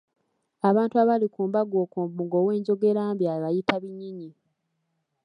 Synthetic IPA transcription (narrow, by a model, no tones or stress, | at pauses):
aβaːntuaβalikuːmbaɡoːkuːmbmuɡo̞ːwe̞ːɲɟo̞ɡe̞ɾaːmbjaːβajitaβiɲːiɲi